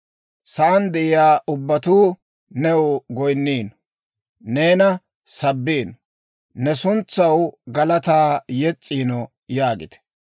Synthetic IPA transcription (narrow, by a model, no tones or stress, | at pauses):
sɐʔɐnd̪ɛʔɪjaːʔʊbːɐt̪uː | nɛwɡɔjnːiːn | neːnɐ | sɐbːiːn | nɛsʊnt͡sːɐwɡɐlɐt̪aːjɛt͡sʼːiːnɔ | jaːɡɪ̰t̪ɛ̥